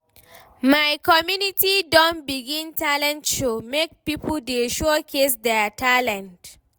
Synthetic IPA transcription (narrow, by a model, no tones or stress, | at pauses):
majkɔmjunitidɔ̃nbiɡĩntalɛ̃ntumek̚pipld̪eʃɔkʰes̬dɛtalɛ̃nt